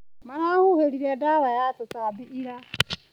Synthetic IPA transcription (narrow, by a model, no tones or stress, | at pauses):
maɾahuheɾiɾedaɾajatosaːbiʔiɾa